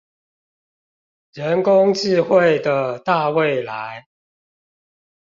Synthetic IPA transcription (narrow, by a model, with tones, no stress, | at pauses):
ɻə˨˦nkʊ˦ŋt͡ɕi˥˧xwe˥˨ɪd̪ə˩t̪a˥˧we˥˨ɪla˨˧˦ɪ